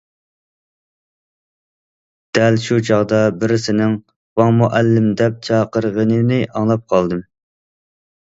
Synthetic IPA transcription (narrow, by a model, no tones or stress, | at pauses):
d̪̥ɛlʃut͡ʃʰɑʁd̪ɑbɪɾɪsɪnɪŋ | wɑŋmuʔælːɪmd̪ɛp̚t͡ʃʰɑːqəɾʁənɨnɪʔɑŋlˠɑp̚qʰɑlˠd̪ɨm